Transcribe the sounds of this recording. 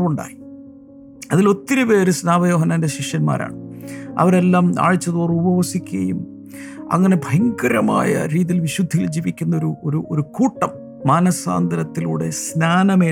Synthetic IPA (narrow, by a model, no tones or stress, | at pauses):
uɳɖa̰ːji | ɐðilo̞t̪ːiɾupeːɾɨsnaːmɐjo̞ːɦɐnaːnde̞ɕikʂɐnma̰ːɾʔa̰ːɳɨɐ̰ʋɐɾe̞lːaːma̰ːɻit͡ɕːɐðuːrubɐʋɐsikʲːuɐ̰jum | ɐ̰ŋːɐne̞bʱɐjŋɡɐɾɐma̰ːjɐ̰ɾiːðilʋiɕud̪ʱːijild͡ʑiːʋikʲːunːɐo̞ɾuoɾuʔoɾukuːʈːɐmː | aːnɐsa̰ːnd̪ɐɾɐt̪ːilṵːɽe̞̰snaːnɐmeː